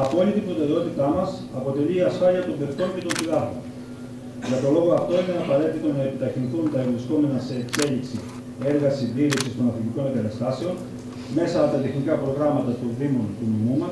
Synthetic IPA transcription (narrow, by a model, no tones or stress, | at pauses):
ɐpo̞lit̪ibɾo̞t̪e̞ɾe̞o̞t̪it̪ɐmɐsɐpo̞t̪e̞liːɐsfɐliɐt̪o̞ɱbeɾt̪o̞ɲce̞t̪o̞nθiðɐxon | ʝɐt̪o̞lo̞ɣo̞ɐft̪o̞ine̞ɐpɐɾe̞t̪it̪o̞nɐe̞pit̪ɐçinθunt̪ɐevlisko̞me̞nɐse̞ːkse̞liksi | e̞ɾɣɐsind̪iɾiksist̪o̞nɐθiciko̞neɡɐt̪ɐst̪ɐse̞o̞n | me̞sɐːpot̪ɐt̪e̞xnikɐpɾo̞ɣɾɐmɐt̪ɐt̪o̞nðimont̪unimumɐ